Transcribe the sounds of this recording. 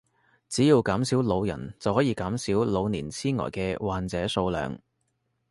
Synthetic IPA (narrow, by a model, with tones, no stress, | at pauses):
t͡siː˨˥jiː˧wkaː˨˥msi˨˥wlo˨˧wjɐ̰˨˩nt͡sɐ˨whɔː˨˥jiː˧kaː˨˥msiː˨˥wlo˨˧wniː˨˩nt͡sʰiː˥nŋɔ̰˨˩jkɛː˧waː˨nt͡sɛː˨˥so˧wlœ̰ː˨˧ŋ